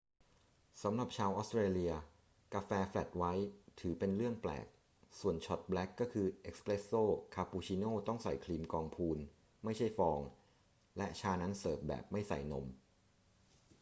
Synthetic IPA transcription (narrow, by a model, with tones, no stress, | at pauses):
sa˩˦mɾa˨˩p̚t͡ɕʰaː˧wʔɔː˦˥st̪ɾeː˧li˧ɐ | ka˧fɛː˧flɛ˨˩t̪̚wa˦˥jt̪ʰɯː˩˦pe˧nɾɯ˥˩əŋplɛ̰ː˨˩k̚ | su˨˩ənt͡ɕʰɔ˨˩t̪̚blɛ˦˥kːɔː˥˩kʰɯː˧ʔe˦˥k̚spɾe˦˥sːoː˥˩kʰaː˧puː˧t͡ɕʰiː˧noː˥˩t̪ɔ˥˩ŋsa̰˨˩jkʰliː˧mkɔː˧ŋpʰuː˧n | ma˥˩jt͡ɕʰa˥˩jfɔː˧ŋ | lɛ˦˥ʔt͡ɕʰaː˧na˦˥nsɤː˨˩p̪̚bɛ̰ː˨˩p̚ma˥˩jsa̰˨˩jno̰˩˦m